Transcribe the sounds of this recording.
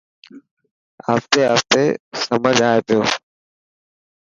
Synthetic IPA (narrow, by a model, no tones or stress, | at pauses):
ə̰ft̪eːəft̪eːsəməd͡ʒʱaːeːt̪joː